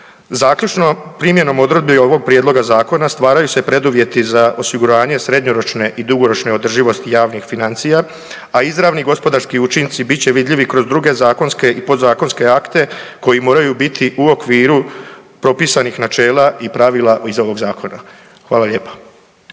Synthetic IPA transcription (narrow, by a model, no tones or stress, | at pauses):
zaːkʎut͡ʃnopɾiːmje̞no̞mo̞d̪ɾod̪̚bio̞ʋo̞ɡ̚pɾjed̪lo̞ɡazaːko̞nast̪ʋaːɾajuse̞pɾe̞d̪uʋje̞t̪izaʔo̞siɡuɾaːɲe̞sɾe̞d̪ɲoɾo̞t͡ʃne̞ʔid̪uɡo̞ɾo̞t͡ʃne̞o̞d̪r̩ʒiʋo̞st̪ijaːʋnixfinant̪sija | aizɾaʋniɡo̞spo̞d̪aɾskiut͡ʃint̪sibitt͡ɕe̞ʋid̪ʎiʋikɾo̞zd̪ɾuɡe̞zaːko̞nske̞ʔipo̞d̪zaːko̞nske̞akt̪e̞ko̞jimo̞ːɾajubit̪ʰiʔuo̞kʋiːɾupɾo̞pisanixnat͡ʃe̞ːlaipɾaʋilˠaizo̞ʋo̞ɡzaːko̞na | xʋaːlaʎe̞ːpḁ